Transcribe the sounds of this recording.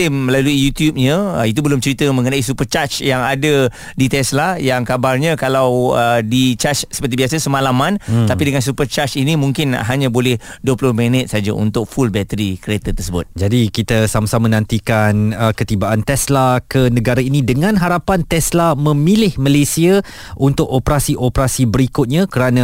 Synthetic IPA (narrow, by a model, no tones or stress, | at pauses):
ɪmːəlaluijut̪jup̚ɲə̃it̪̬ubəlʊmt͡ʃəɾit̪əmə̃ŋənaisupərt͡ʃat͡ʃjaŋada | dit̪ɛslajaŋkabarɲãkalawədit͡ʃat͡ʃsə̥pərt̪̬ibiasəsəmãlamãnt̪apidəŋans̬upərt͡ʃat͡ʃinimũŋkɪn̰ɦaɲãbolɛhduəpulʊhmɛnɪt̪̚sad͡ʒaʔṵnt̪ʊk̚fulbɛt̪əɾikəɾet̪at̪ərsəbʊ̰t̪̚d͡ʒadikit̪asamasamə̃nãnt̪ikanəkət̪ibaʔant̪ɛslakənə̃ɡaɾainidəŋãnɦaɾapant̪ɛslamə̃milɪhməlesia | ʔunt̪ʊkopəɾasiʔopəɾasibəɾikʊt̪̚ɲãkəɾanã